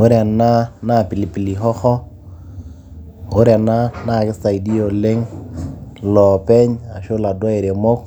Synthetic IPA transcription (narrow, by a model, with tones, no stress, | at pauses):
o˦ɾja˨na˦na˦˨pi˨li˨pi˨li˨ɦɔ˦xɔ˦ | o˦ɾja˨na˦na˦˨kɪ˦sa˨i˨di˦o˨lɪ˦ŋ | lɔ˨pɛ˦ɲa˨ʃo˦la˨dwa˦i˨ɾe˨mɔ˦k̚